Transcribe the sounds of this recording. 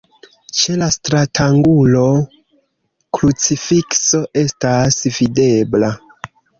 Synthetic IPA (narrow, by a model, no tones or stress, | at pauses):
t͡ʃe̞lastɾatʰaŋɡulo̞ | klut͡sifikso̞ʔe̞stasvide̞bla